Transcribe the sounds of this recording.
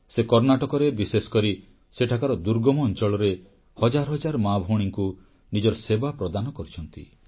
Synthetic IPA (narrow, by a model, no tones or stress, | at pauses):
sekɔɾnaʈɔkɔɾebisesɔ̥kɔɾi | seʈʰakaɾɔd̪uɾɡɔmɔːnt͡ʃɔɭɔɾe | hɔd͡ʒaɾɔɦɔd͡ʒaɾɔmabʱoɽ̃iŋku | nid͡ʒɔɾɔsebapɾɔd̪anɔkɔɾit͡ʃʰɔnt̪ḭ